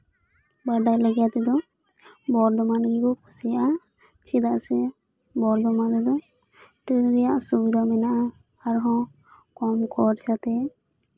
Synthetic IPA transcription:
baɖajlɛɡjat̪ɛd̪ɔ | bɔɾd̪ɔmanɡiɾukʰusijaʔa | t͡ʃid̪aʔsɛ | bɔɾd̪ɔmad̪ɛd̪ɔ | ʈiɾɾɛjaʔsubid̪ʱamɛnaʔa | aɾɦɔ̃ | kɔmkʰɔɾt͡ʃat̪ɛ

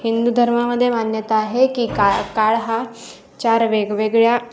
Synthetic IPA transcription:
hind̪ud̪ʱəɾmaməd̪ʱːjemanjət̪aːɦekiːkakaɭɦa | t͡ɕaɾʋeɡʋeɡɭja

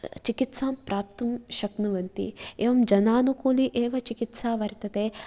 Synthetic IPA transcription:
t͡ʃikit̪saːmpɾaːp̚t̪umʃɐknuʋɐnt̪ḭḛːʋɐmd͡ʒɐnaːnukuːliʔeːʋɐt͡ʃikit̪saːʋɐɾit̪ɐt̪eː

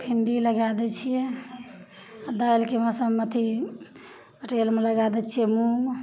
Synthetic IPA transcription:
pʰiɳɖiləɡad̪ɛt͡ʃʰijɛ | d̪ajlkemə̃səmət̪ʰi | əʈelmeləɡad̪ɛt͡ʃʰijɛmu

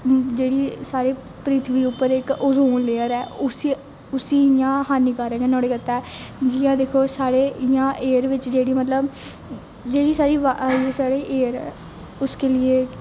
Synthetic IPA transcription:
d͡ʒeːɽiːsaːɾeː | pɾɪt̪ʰʋiːʊpːəɾɪkʊzoːnleːəɾɛːʊsi | ʊsiːjãːhaːniːkaɾɛ̃ːɡeːnɔ̃ːɽeːkət̪ːɛːd͡ʒijãːd̪eːkʰoːsaːɽeːɪjãːʔeːɾʋɪt͡ʃd͡ʒeːɽiːmət̪ləb | d͡ʒeːɽiːsaːɾiːʋasaːɽeːʔeːɾɛ̰ː | ʊskeːlɪeː

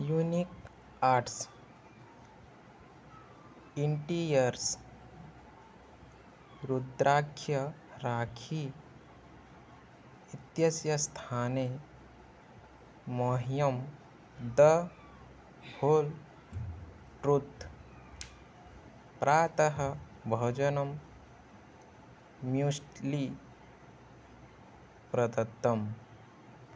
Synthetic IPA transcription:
junik | aːɾʈs | iɳʈiɾjəɾs | ɾud̪ɾaːkʰjɐ | ɾaːkʰi | it̪jɐsjɐst̪ʰaːne | oɦijɐm | d̪ɐ | hoːl | ʈɾut̪ | pɾaːt̪ɐɦɐ | bʱɐd͡ʒɐnɐm | jusʈli | pɾɐd̪ɐt̪ːɐm

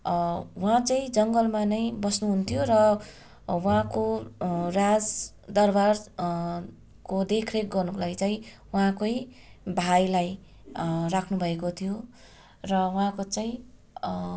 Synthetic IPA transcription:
wãt͡saĩd͡zʌŋɡʌlmanʌjbʌsnuɦunt̪ʰijorʌ | wãkorad͡z | d̪ʌrbar | kod̪ekʰrek̚ɡʌrnuklajt͡saĩ | wɦãkoj | bʱajlaj | rakʰnubʱʌekot̪ʰijo | rʌwɦãkot͡saĩ

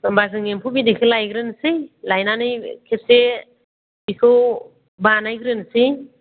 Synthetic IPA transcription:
mbazɯŋempʰubidikʰɯwlajɡɾɯnsɯjlajnanɯjkʰese | bikʰɯw | banajɡɾɯnsij

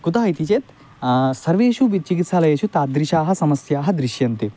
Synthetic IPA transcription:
kut̪aːɦit̪it͡ʃeːt̪ | sɐɾʋeːʃuʋit͡ʃikit̪saːlɐjɐʃut̪aːd̪ɾiʃaːɦɐ̆sɐmɐsjaːɦɐd̪ɾiʃjɐnt̪i

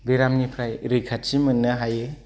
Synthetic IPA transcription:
beɾamnipʰɾajɾɯjkʰatt͡ʃimɯnːɯɦaje

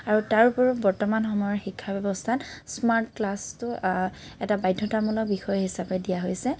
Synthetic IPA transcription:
aɹutaɹupɔɹbɔɹtɔmanxɔmɔjɔɹxikʰːabɛbɔstʰansmaɹtklastʊ | ɛtabajdʱːɔtamɔlɔk̚bixɔjɔɦisapɛdijaɦojsɛ

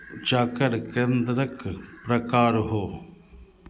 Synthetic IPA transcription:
d͡ʒaːkəɾkẽːnd̪ɾəkpɾɐkaːɾɦoː

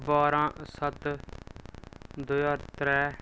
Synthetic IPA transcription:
baːɾãːsət̪ | d̪ʊjaːɾt̪ɾɛː

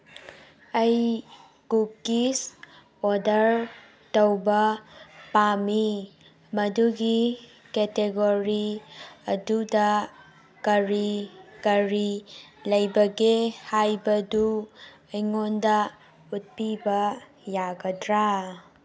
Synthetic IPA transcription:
ɐj | ɡup̚kis | odɐɾ | tɐwbɐpami | mɐduɡi | keteɡoɾiɐdudɐ | kɐɾikɐɾilɐjbɐɡehajbɐdu | ɐjŋondɐ | ut̚pibɐ | jaɡɐdɾa

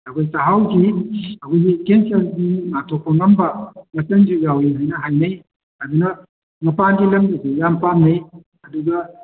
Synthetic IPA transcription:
ɐkʰojsaɦawkiɐkʰojɡikensɐldimatʰok̚pɐŋɐmbɐŋɐsɐnd͡ʒiɡawiɦajnɐɦajnɐj | ɐdunɐ | ŋɐpanɡilɐŋdisijampamnej | ɐduɡɐ

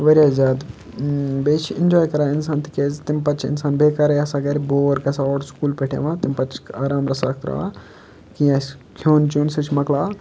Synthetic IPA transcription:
ʋɐɾʲjaːzʲjaːd̪ | beːt͡ʃʰind͡ʒɔːjkɐɾaːinsaːnt̪i̥keːzt̪impɐt͡ʃʰḭnsaːnbeːkaːɾɐjɐsaːɡɐɾʲboːɾkɐsaɔːɽskuːlpeʈʰḛʋãt̪impɐt͡ʃʰaːɾaːmɾɐsak̚ʰt̪ɾɐ̰ʋa̰ː | kĩasʲ | kʰoːnt͡ʃunsɐt͡ʃʰmɐklaː

